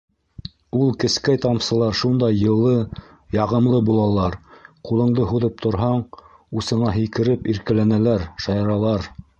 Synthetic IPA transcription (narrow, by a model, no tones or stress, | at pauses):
ulˠkɘ̆skæjt̪ɑmsɤ̆lˠɑɾʃund̪ɑjːɤ̆lˠːɤ | jɑʁɤ̆mlˠɤbulˠɑlˠɑɾqulˠɤ̆ɴd̪ɤɦuðɤp̚t̪ʰŏɾɦɑɴ | usɤ̆ɴɑɦɘ̆jkɘ̆ɾɘpiɾkɘ̆lænælæɾʃɑjɑɾɑlˠɑɾ